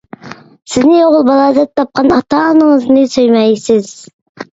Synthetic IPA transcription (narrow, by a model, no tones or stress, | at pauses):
sɪznɪoʁəlˠbɑlˠɑzɛt̪ʰːɑp̚qʰɑnɑt̪ɑnəɴəznɨsøjmæjsɪz̥